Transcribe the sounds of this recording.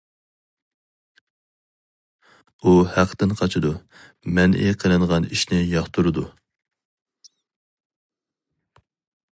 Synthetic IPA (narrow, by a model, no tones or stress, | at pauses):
uhæqʰːt̪ɪnqʰɑt͡ʃʰɪd̪u | mɛnʔḭqʰəlˠɨnʁɑniʃnɪjɑχt̪ʰuɾɨd̪u